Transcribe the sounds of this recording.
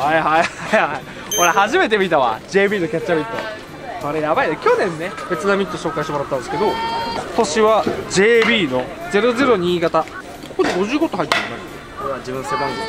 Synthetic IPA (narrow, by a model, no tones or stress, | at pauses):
haihajajhai | koɾehaʑime̞t̪̬e̞mʲit̪aβa̰d͡ʑe̞ːbʲiːno̞kʲatt͡ɕːamʲit̪ːo̞̰ | soɾejabaid̪ekʲo̞nẽ̞nːe̞be̞t͡sɨnamʲit̪ːo̞ɕo̞ːkaiɕit̪emɾat̪ːãnd̪esɨ̥keo̞t̪o̞ɕiβad͡ʑe̞ːbʲiːno̞d͡ze̞ɾo̞ze̞ɾo̞ɲ̟iːɡat̪a | kokod̪eɡo̞ʑɨːɡo̞t̪oɦait̪ːet̪ãnd̪esekoɾeβad͡ʑibɯ̟̃nsebãŋɡ̪o